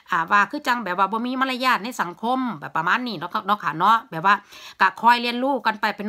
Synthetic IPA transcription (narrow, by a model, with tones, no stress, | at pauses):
ʔaː˧˩waː˧kʰɯː˧˥˩t͡ɕa˧ŋbɛː˨˩p̚waː˧˩bɔː˧miː˧˥˨ma˧˥˨la˧jaː˧˩t̪̚na˧˥˨sa˨˦ŋkʰo˧˥˨mbɛː˨˩pːɾa˧maː˧˥˨nːiː˧˩nɔ˧˥ka˧nɔ˧˥kʰa˧˩nɔ˧˥ʔbɛː˨˩p̚waː˧˨ka˧˩kʰɔː˧jli˧ənluː˧˩ka˧˨npa˧˩jpa˨n